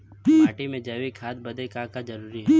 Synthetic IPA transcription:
maːʈimẽd͡ʒɐʋikʰaːd̪̚bɐd̪ekaːkad͡ʒɐɾuːɾiɦɛ

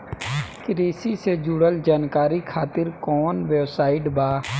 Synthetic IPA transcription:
kɾeːsiseːd͡ʒʊɽəld͡ʒaːnkaːɾikʰaːt̪ɪɾkɔːnʋeːʋsaːɪɖbaː

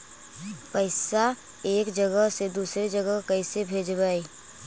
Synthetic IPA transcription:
pəɪsa | eːkd͡ʒəɡəɦsed̪uːsɾed͡ʒəɡəkəɪsebʱeːd͡ʒbaːi

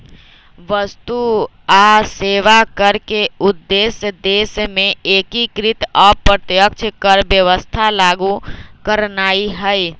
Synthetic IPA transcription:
ʋəst̪u | aseʋakəɾkeʊd̪ːesd̪eːsmẽekikɾɪt̪ɔpɾət̪jək̚t͡ʃʰkəɾbjəʋəst̪ʰalaːɡukəɾnaːiɦəi

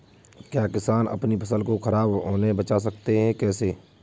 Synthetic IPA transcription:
kjaːkɪsaːnɐ̰pnipʰɐsəlkokɐɾaːbɦoːnebɐt͡ʃas̬ɐkt̪eɦɛ̃kɛːse

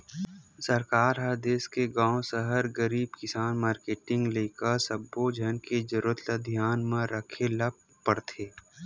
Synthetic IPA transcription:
səɾkaːɾɦad̪eːskeɡãːõsəɦəɾɡəɾiːbkɪsaːnmaːɾkeːʈɪ̃ŋɡleːkəɾsəbːod͡ʒʱɐnked͡ʒəɾuət̪əd̪ʱjaːnmãɾəkʰelɐb̚ | pəɽt̪ʰeː

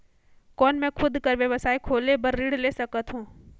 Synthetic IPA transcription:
kɔːnmɛ̃ːkʰʊd̪kəɾʋjɐʋəsaːikʰoːlebɐɾːiɽleːsɐkət̪ɦũː

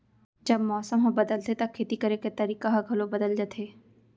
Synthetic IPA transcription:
d͡ʒɐbmɔːsəmɦɐ̃bɐd̪əlt̪et̪ɐkʰːeːt̪ikɐɾeket̪ɐɾiːkaɦɐɡʱɐlobɐd̪əld͡ʒɐt̪ʰeː

